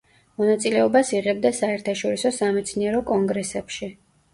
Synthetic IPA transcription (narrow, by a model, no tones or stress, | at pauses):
mɔnat̪sʼilɛɔbasiʁɛb̚d̪asaɛɾt̪ʰaʃɔɾisɔsamɛt̪sʰniɛɾɔkʼɔŋɡɾɛsɛpʃi